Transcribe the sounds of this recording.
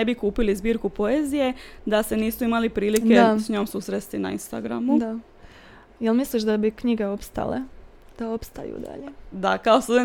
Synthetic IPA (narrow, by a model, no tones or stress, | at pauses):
ebikuːpilizbiːɾkupo̞eːzije̞d̪ase̞niːsuimalipɾiːliked̪asɲo̞ːmsuːsɾet̪st̪ina̰ḭnst̪aɡɾa̰mud̪a | jelmisliʃd̪abikɲiɡeo̞pst̪a̰lḛ | d̪̥aopst̪a̰jṵːd̪a̰ʎed̪akaost̪ose